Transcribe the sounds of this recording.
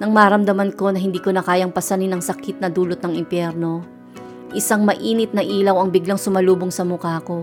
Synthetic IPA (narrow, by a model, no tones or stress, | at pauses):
nɐŋmaɾɐmd̪ɐmɐnko̞nɐɦɪnd̪iːko̞nɐkaːjɐŋpɐsɐninɐŋsɐkɪt̪̚nɐd̪uːlot̪̚nɐŋɪmpjɛɾno̞ | ʔɪsaŋmɐʔiːnɪt̪̚nɐʔiːlɐwɐŋbɪɡlaŋsʊmɐluːboŋsɐmʊkaːko̞